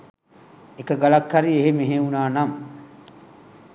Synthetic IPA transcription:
ekɐɡalɐkːɐɾieɦemeɦeunaːnɐm

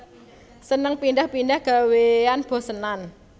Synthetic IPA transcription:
sənəŋpindahpindahɡ̥a̤weanb̥ɔ̤sənan

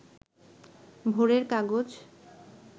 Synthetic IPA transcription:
bʱoɾeɾkaɡod͡ʑ

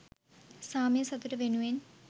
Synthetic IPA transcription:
saːmjɐsɐd̪uɾɐʋenuen

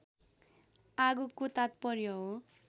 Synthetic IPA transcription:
aɡukut̪at̪̚pʌɾjoɦo

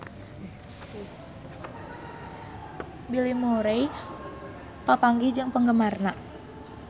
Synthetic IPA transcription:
bilimuɾej | p̪apaŋɡid͡ʒɨŋpəŋɡəmarna

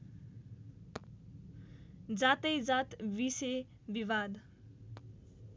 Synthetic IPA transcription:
d͡zat̪ʌjd͡zat̪bise | biβad̪

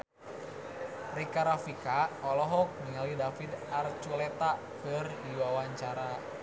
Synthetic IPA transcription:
rikaɾafikaɔlɔɦɔk̚niŋalidafid̪art͡ʃulɛt̪a | kərdiwawaɲt͡ʃaɾa

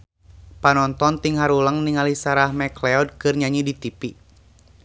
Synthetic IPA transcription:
panɔnt̪ɔnt̪iŋɦaɾuləŋniŋalisaɾahmɛklɛɔd̚kɨrɲaɲidit̪ipi

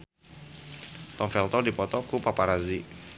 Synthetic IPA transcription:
t̪ɔmfɛlt̪ɔdipɔt̪ɔkupapaɾazi

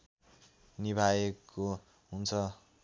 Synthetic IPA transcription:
nibʱajekːo | ɦunt͡sʰʌ

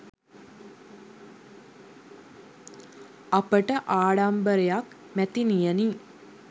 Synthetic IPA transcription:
apəʈəʔaːɽambəɾejak | mæt̪inijəni

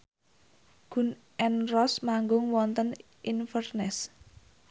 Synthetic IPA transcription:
ɡ̥ṳn | ʔɛnrɔsmaŋɡʊŋwɔnt̪ən | ʔinfərnɛs

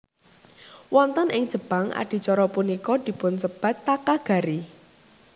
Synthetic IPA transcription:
wɔnt̪ɔnʔɪŋ̥ʒ̥ə̤b̥aŋa̰ɖ̥i̤t͡ʃɔɾɔpunikɔd̪̥i̤pʊnsəb̥a̤t̪ːakaɡ̥a̤ɾi

